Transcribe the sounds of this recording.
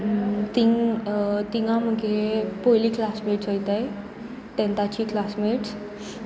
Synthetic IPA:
t̪iŋ | t̪iŋɡãm̤əɡʱepojliːklasmeʈsɦojt̪aj | t̪ɛ̃nt̪at͡ɕiːklasmeʈs

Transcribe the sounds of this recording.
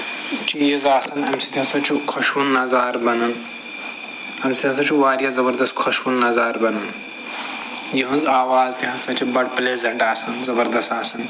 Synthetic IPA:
t͡ʃizaːsɐnɐmsʰi̥t̪ʲjɐ̃ːsɐt͡ʃʰukʰɔʃʋunːɐzaːɾbɐnɐn | ɐmsit̪jãnt͡sʰɐt͡ʃʰuʋaːɾjɐzɐbɐɾd̪ɐst̪kʰɔʃʋunːɐzaːɾbɐnɐn | jiɦə̃nzaːʋaːzt̪ʲjɐɐ̃nzsɐt͡ʃʰibɐɽpleːzɐɳʈaːsɐnzɐbɐɾd̪ɐst̪aːsɐn

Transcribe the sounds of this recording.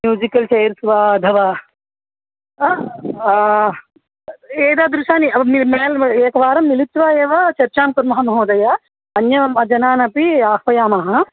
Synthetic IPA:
mjuːd͡ʒikɐlt͡ʃejɾsʋaːd̪ʱɐʋaː | eːd̪aːd̪ɾuʃaːniɐmilmeːleːkɐʋaːɾɐmːilit̪ːʋaːeːʋɐt͡ʃɐɾt͡ʃaːmkuɾmɐɦɐmɐɦoːd̪ɐja | ɐnjɐmɐd͡ʒɐnaːnɐpiaːkʋɐjaːmaːɦɐ

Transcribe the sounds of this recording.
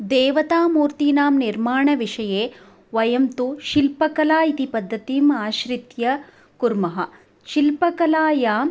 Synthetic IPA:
d̪eːʋɐt̪aːmuːɾt̪iːnaːmniɾmaːɳɐʋiʂɐjeː | ʋɐjɐmt̪uʃilpɐkɐlaːit̪ipɐd̪ʱːɐt̪imaːʃɾit̪jɐ | kuɾmɐɦɐ | ʃilpɐkɐlaːjaːm

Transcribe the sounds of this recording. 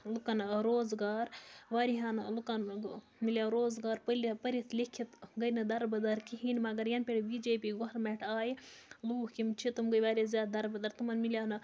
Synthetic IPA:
lukɐnɾoːzɡaːɾʋaːɾiɦɐnlukɐn | miljaɾoːzɡaːɾpəlipəɾit̪ʰlikʰːit̪ɡɐjnɨd̪ɐɾbɐd̪ɐɾkiɦinʲmɐɡɐɾjɐnpʲeɽibiːd͡ʒeːpiːɡoɐɾmɛʈʰaːjluːhkimt͡ʃʰit̪umɡɐjʋaːɾʲizʲjaːd̪̚d̪ɐɾbɐd̪ɐɾt̪umɐnmiljaːnɨ

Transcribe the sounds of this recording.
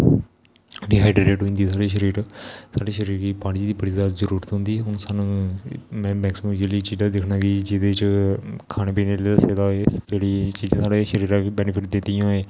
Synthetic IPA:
ɾiːɦaːiɖɾeːʈɦoːĩːnd̪iːsaːɽiːʃəɾiːɾsaːɖiːʃəɾiːɾɾiːpaːɽid̪iːbəɽiːzaːt̪zəɾuːɾət̪ɦʊ̃nd̪iːɛʊñːsaːnũːmɛ̃ːmɛːksɪm̃md͡ʒeliːt͡ʃiːd͡ʒaːd̪ekʰnãːɡiːd͡ʒɪd̪eːt͡ʃkʰaːnẽːpiːneːaseːd̪aːed͡ʒeːɽiːt͡ʃiːd͡ʒãːsaːɖeːʃəɾiːɾãːʋiːbɛːnɪpʰɪʈ̚d̪ɪnt̪ijãːeː

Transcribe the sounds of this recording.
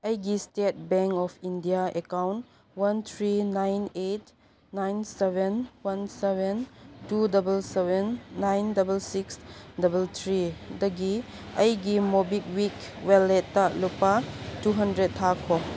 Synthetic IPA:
ɐjɡistet̚beŋkɔpʰindijaekawnt | wɐnt̪ʰɾinajnet | najnsebenwɐnsebentudɐbelsebenːajndɐbelsiksdɐbelt̪ʰɾidɐɡiɐjɡimobik̚wikweletːalupatuɦɐndɾettʰːakʰɔ

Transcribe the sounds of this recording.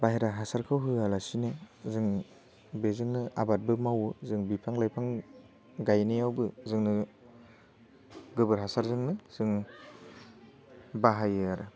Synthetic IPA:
baɦeɾaɦasaɾkʰɯwɦɯalasinɯzɯŋ | bezɯŋnɯabat̚bɯmawɯzɯŋbipʰaŋlajpʰaŋ | ɡajnijawbɯzɯŋnɯ | ɡɯbɯɾɦasaɾzɯŋnɯz̥ɯŋ | baɦajɯaɾɯ

